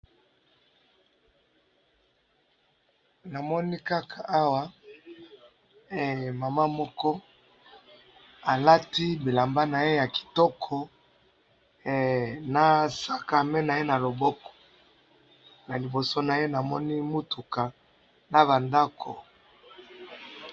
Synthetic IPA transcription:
na˨mɔ˦ni˦ka˦kʰa˨ʔa˦wa˦˨ | ma˨ma˦mɔ˦kɔ˦ | a˨la˦ti˦bi˨la˨mba˦na˨je˦ja˨ki̥˨tɔ˦kʰɔ˨ | na˨sa˦ka˨me˦na˨je˦na˨lo˨bɔ˦kɔ̥˨ | na˨li˨bo˨so˦na˨je˦na˨mɔ˦ni˦mu˦tu˨ka˨ | na˨βa˨nda˦kʰɔ˨

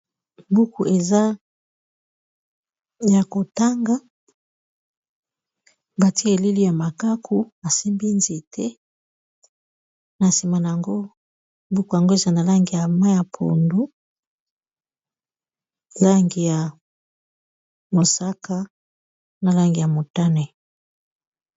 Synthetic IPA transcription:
mbu˦ku˨ʔe˨za˦ | ja˨ko˨ta˦ŋɡa˦ | ba˨ti˦e˨li˦li˦ja˨ma˨ka˦kʰu˦a˨si˦mbi˦nze˨tʰɛ˦ | na˨si˨ma˨na˨a˨ŋɡo˦ | bu˦ko˨ja˨ŋɡo˦e˨za˦˨na˨la˦ŋɡi˨ja˨ma˦ja˨pʰo̰˨ndu˦ | la˦ŋɡi˨ja˨ | mo˨sa˦ka˦ | na˨la˦ŋɡi˨ja˨mo˨ta˦nɛ˨

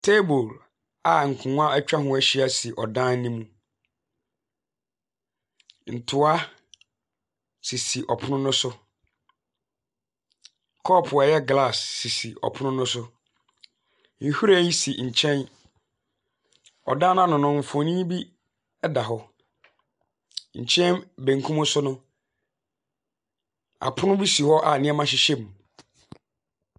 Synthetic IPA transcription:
tʰe˦bo˨l | a˨ŋ̩˨kʰʊ̃˨˦a˦æ˦t͡ɕᶣa˦ɦʊ̃˨æ˦ɕi˦a˦si˨ʔɔ˨dã˦n˦nĩ˦mũ˦ | n̩˨tʰʊ˨a˦ | si˨si˨ʔɔ˨pʰʊ˦nʊ̃˦nʊ̃˦sʊ˦ | kʰɔ˦˨pʰʊ˨ɛ˨jɛ˦ɡla˦˨sːi˨si˨ɔ̰˨pʰʊ˦ʊ̃˦nʊ̃˦sʊ˦ | n̩˨hu˦ɾæ˦ji˦si˨ɲ̩˨t͡ɕʰɛ̃˦n | ɔ̰˨dã˦nã˦nʊ̃˨nʊ̃˨ɱ̩˨fɔ̃˨nĩ˦bi˦ | ɛ˦da˨ɦɔ˦ | ɲ̩˨t͡ɕʰɛ̃˦nbẽ˨ŋ˨kʰũ˦mʊ̃˦sʊ˦nʊ̃˦ | a̰˨pʰʊ˦nʊ̃˦bi˦si˨hɔ˦ʔa˨nɪ̃˦ɛ˦mã˦ɕ̬ɪ˦ɕɛ˦m˨

